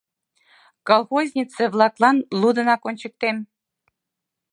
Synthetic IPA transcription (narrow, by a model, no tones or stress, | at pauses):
kolˠxozʲnʲit͡sĕβlˠɑklˠɑnlˠud̪ɤ̆nɑkonʲt͡ɕə̆k̚t̪em